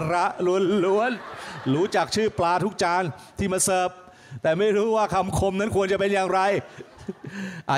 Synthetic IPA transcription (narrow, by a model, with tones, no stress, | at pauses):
ɾa˦˥ʔlu˧˩ənlu˧˥ənɾuː˦˥t͡ɕaː˨˩k̚t͡ɕʰɯː˥˩plaː˧t̪ʰu˦˥k̚t͡ɕaː˧nt̪ʰiː˥˩ma˧sɤː˨˩p̚ | t̪ɛː˨˩ma˥˩jɾuː˦˥waː˥˩kʰa˧mkʰo˧mna˦˥nkʰu˧ənt͡ɕa˨˩pe˧njaː˨˩ŋɾa˧j | ʔa̰ː˨˩